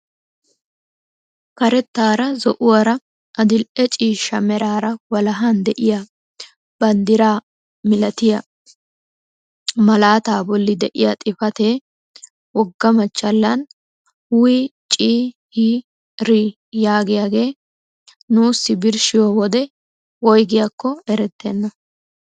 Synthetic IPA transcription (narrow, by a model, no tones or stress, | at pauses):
kɐɾɛt̪ːaːɾɐzɔʔʊwɐɾɐ | ʔɐd̪ɪlʔɛt͡ʃʼiːʃɐmɛɾaːɾɐwɐlɐɦɐnd̪ɛʔɪja | b̥ɐnd̪ɪɾaː | mɪlɐt̪ɪjɐ | mɐlaːt̪aːbɔlːɪd̪ɛʔɪjɐt̪ʼɪfɐt̪eː | wɔɡːɐmɐt͡ʃːɐlːɐn | hʊwit͡ʃʼiːhi | ɾi | jaːɡɪjaːɡe̞ː | nuːsːɪbɪɾʃɪjɔwɔd̪ɛ | wɔjɡɪjɐkːɔɛɾɛt̪ːɛnːɐ